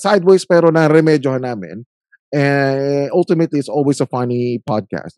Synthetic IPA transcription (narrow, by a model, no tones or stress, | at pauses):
sajd̪̚wejspɛːɾonɐɾɛmɛd͡ʒjoɦɐnaːmɪ̰̃n | ʔɛ̃alt̪ɪmɐt̪liɪt̪sʔoːlwesɐfɐnipad̪̚kæ̰st̪̚